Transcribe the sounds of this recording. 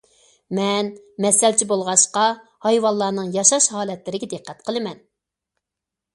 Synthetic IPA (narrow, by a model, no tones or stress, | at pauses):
mɛnmɛsɛlt͡ʃʰibolˠʁɑʃqɑhɑjwɑlˠːɑːnɨŋjɑʃɑʃhɑːlɛt̪lɪɾɪɡʲɛd̪ɨqʰːɛt̪qʰəlˠɨmɛn